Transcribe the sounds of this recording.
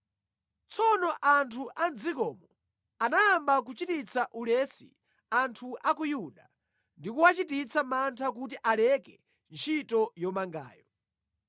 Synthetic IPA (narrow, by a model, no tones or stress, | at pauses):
t͡sʰɔnɔʔantʰuʔand͡zikɔːmɔ | anaːmbak̬ut͡ʃitit͡sʰaʔulɛsḭ | antʰuʔakujuɗa | ndikuwat͡ʃitit͡sʰamantʰak̬ut̬iʔalɛkɛ | nt͡ʃʰitɔjɔmaŋɡa̰ːjɔ